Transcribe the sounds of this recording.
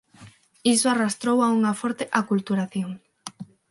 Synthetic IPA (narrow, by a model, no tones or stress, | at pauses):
isoarast̪ɾowauŋafoɾt̪eʔakult̪uɾaθjoŋ